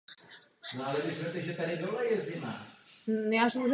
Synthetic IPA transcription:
noalɛvɪsɾɛt̪ɛʒɛt̪aɾɪdolɛjɛzɪma̰njaʃuʒ

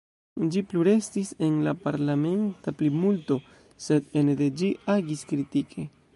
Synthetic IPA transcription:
d͡ʒipluɾe̞st̪isenlapaɾlame̞nt̪aplimult̪o | se̞d̪ened̪ed͡ʒiʔaɡiskɾit̪ikʰe

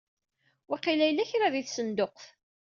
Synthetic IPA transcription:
wiqilæjlːæçɾaðiθsənd̪oqf

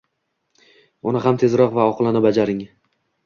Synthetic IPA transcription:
ʊnɪɦamt̪ʰe̞zɾɒqvaɒqʰlˠanɪbad͡ʒaɾɪŋ

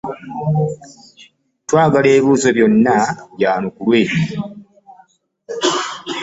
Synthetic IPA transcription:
twaːɡaleːiβuːzo̞βjo̞nːaβjaːnukulweːi

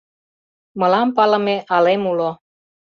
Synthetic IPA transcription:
mɤ̆lɑmpɑlɤ̆meʔɑlemulo

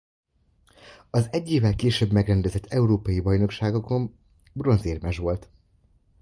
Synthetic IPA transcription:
ɒzɛɟːeːvɛlkeːʃøbmɛɡɾɛnd̪ɛzɛt̪ʰːɛuɾoːpɒjibɒjno̞kʃaːɡoko̞m | bro̞nzeːrmɛʒʋo̞lt̪

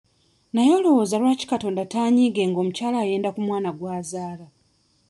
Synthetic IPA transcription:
najo̞ːlo̞wo̞ːzalwaːci̥kato̞ːndataːɲiːɡe̞ŋɡo̞ːmucaːlaːje̞ːndakumwaːnaɡwaːzaːla

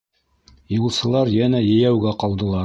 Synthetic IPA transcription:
julˠsɤ̆lˠɑɾjænæjɘ̆jæwɡæqɑlˠd̪ɤ̆lˠɑ

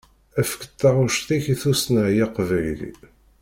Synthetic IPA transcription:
æfə̥kə̥t̪ːɑɾʊʃt̪içiθusnəʕjaqvæjlḭ

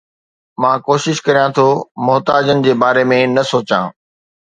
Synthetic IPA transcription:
mãːkoːʃɪʃkɐɾijãt̪ʰomʊɦt̪aːd͡ʑənɪ̆d͡ʑeːbaːɾemẽnɐsoːt͡ɕãː

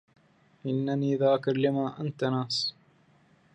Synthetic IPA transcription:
ʔɪnːaniːðaːkɪɾlɪmaːʔant̪anaːsˤ

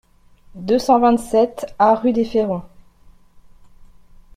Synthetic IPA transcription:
d̪øsɑ̃vɛ̃t̪sɛt̪aʁyd̪efeʁɔ̃

